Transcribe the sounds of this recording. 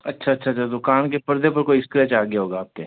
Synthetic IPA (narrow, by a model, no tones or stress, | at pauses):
ɐtːʃʰaɐtːʃʰaɐtːt͡ʃʰad̪ʊkaːnkepɐɾd̪ʱepɐɾkoiɪskɾɛt͡ʃaːɡjaɦoːɡaːp̚ke